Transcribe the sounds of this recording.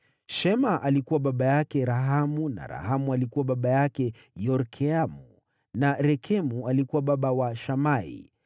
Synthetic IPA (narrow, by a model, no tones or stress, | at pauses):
ʃɛmaʔalikuwaɓaɓajakɛɾaɦamuna̰ɾa̰hamualikuwaɓaɓajakɛ | jɔɾkʰɛamu | naɾɛkʰɛmualikuwaɓaɓawaʃamaḭ